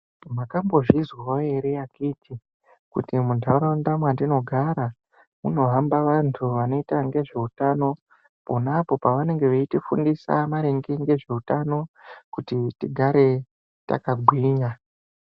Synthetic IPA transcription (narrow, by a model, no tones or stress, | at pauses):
makambo̞ʐizwaojeɾe̞jakiːtʰi | kutimudʱaɾondamwandino̞ɡʱaɾa | muno̞ɦambaʋantʰuʋano̞itaŋɡe̞ʐe̞utano̞ | ponapo̞paʋane̞ŋɡe̞ʋeitifṵndisa̰maɾeŋɡeŋɡe̞ʐe̞utano̞kutitiɡʱaɾe̞ | ta̰kaɡʱwiːɲa